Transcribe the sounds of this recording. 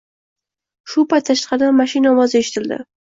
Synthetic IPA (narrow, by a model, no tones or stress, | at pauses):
ʃʊpajt̪ʰːaʃqɑd̪amaʃinɒmɒzeʃɪ̥t̪ʰɪld̪ɪ̰